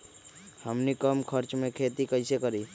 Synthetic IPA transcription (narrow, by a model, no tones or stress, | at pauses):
həmnikəmkʰəɾt͡ʃmẽkʰeːt̪ikəɪsekəɾiː